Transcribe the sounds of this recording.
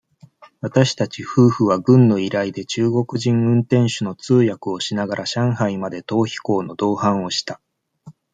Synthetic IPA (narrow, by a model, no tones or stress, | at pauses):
βat̪aɕi̥t̪at͡ɕiɸɯ̟ːɸɯ̟βaɡɯ̟̃nːo̞iɾaid̪e̞t͡ɕɨːɡo̞kɯ̟ʑĩŋɯ̟̃nt̪ẽ̞ɰ̃ɕɨno̞t͡sɨːjakɯ̟o̞ɕinaɡaɾʔaɕãɰ̃haimad̪e̞t̪o̞ːçi̥ko̞ːno̞d̪o̞ːhãɰ̃o̞ɕi̥t̪a